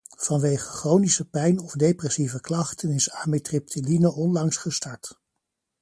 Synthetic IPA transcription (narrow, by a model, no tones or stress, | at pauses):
v̥ɑnʋejχəχrownisəpɛjnɔvdejprɛsivəklɑχtənɪsaːmitrɪp̚tʰilinəʔɔnlɑŋsχəstɑɹt